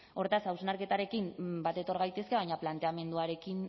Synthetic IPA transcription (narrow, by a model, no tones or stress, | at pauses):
o̞ɾt̪asawsnaɾke̞t̪aɾe̞kimbat̪e̞t̪o̞ɾɣajt̪e̞ske̞β̞aɲaplant̪e̞ame̞nd̪uaɾe̞kin